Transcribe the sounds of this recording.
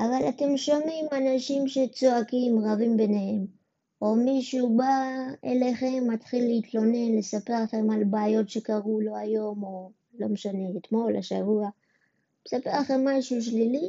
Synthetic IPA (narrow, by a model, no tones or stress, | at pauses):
ʔavalate̞mʃo̞mimanaʃimʃe̞t͡soakimʁavimbe̞nehe̞m | o̞miʃubaḛle̞χe̞mːatχilːeitlo̞ne̞nle̞sapeʁlaχe̞malbaːjo̞tʃe̞kaʁulo̞ajo̞mo | lo̞meʃane̞ːtmo̞laʃavua | mesapeʁlaχe̞mːaʃuʃ̬lili